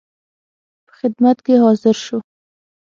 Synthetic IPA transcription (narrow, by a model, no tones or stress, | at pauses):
pə̥xɪd̪mat̪keɦɑzɪɾʃo